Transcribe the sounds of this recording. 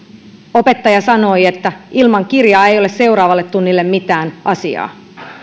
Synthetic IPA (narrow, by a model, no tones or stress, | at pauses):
o̞pe̞t̪ːɑjɑsɑno̞jet̪ːæʔilmɑŋkirjɑːe̞jo̞lesse̞wɾɑːʋɑlːe̞t̪t̪ːunːilːe̞mmit̪æːnʔɑsiɑ̰ː